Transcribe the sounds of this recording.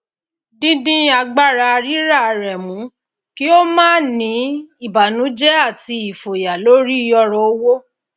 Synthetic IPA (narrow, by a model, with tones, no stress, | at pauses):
dĩ˦dĩ˦a˧ɡ͡ba˦˨ɾa˧a˧ɾi˦ɾa˦˨a˧ɾɛ˨mũ˨˦ | ki˦o˦mãː˦˨nĩ˨˦i˦˨ba˨nũ˨˦d͡ʒɛ˦a˦˨ti˧i˨fo˨ja˨lo˦ɾi˦˧˦jɔ˧ɾɔ˧o˦wo˦